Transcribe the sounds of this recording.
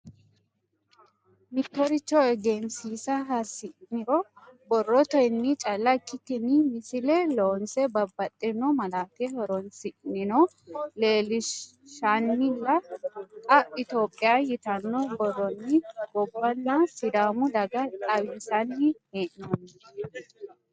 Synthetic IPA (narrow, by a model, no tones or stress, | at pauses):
mɪt̪ːɔɾɪt͡ʃːɔɛɡemsiːsɐɦɐsɪʔnɪɾɔbɔrːɔt̪ɔnːɪt͡ʃʼɐlːɐkʼːɪt̪ɪnɪmɪsɪlɛloːnsɛbɐbːɐt̪ʼːɛnɔmɐlaːt̪ɛhɔɾɔnsɪʔnɪnɔ | leːlɪ | ʃanːɪlːɐkʼɐʔʼɪt̪o̞ːpʼːɪjajɪt̪ɐnːɔbɔrɔnːɪbɔbːɐnːɐsɪd̪aːmʊd̪ɐɡɐt̪ʼɐwiːsɐnːɪheːʔnɐnː